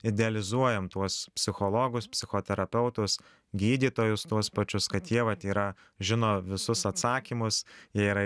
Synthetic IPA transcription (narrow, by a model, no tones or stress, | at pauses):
ɪd̪ʲɛɐlʲɪzuɔjɛmt̪uɔspʲsʲɪxolˠoːɡʊspʲsʲɪxoːt̪ʲɛɾɐpʲɛʊt̪ʊs | ɡʲiːd̪ʲiːt̪oːjʊst̪uɔspɐt͡ʃʲʊskɐt̪jiɛʋɐt̪iːɾɐ | ʒʲɪnoːʋʲɪsʊsɐt̪sɑːkʲiːmʊsjiɛiːɾɐ